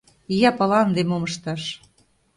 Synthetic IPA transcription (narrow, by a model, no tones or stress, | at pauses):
ijɑpɑlɑnd̪emoməʃt̪ɑʃ